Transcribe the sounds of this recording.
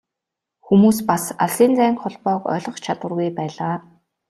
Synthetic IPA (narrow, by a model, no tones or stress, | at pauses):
xumuːspasaɮsiːnt͡sæːŋkχʊɮpɔːkœ̰ːɮʁɞ̆χt͡ɕʰat̪wə̆rɣujpæːɮaː